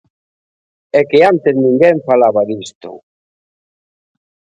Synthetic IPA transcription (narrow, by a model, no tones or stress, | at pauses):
ɛkeant̪eznĩŋɡɛɱfalaβaðist̪ʊ̰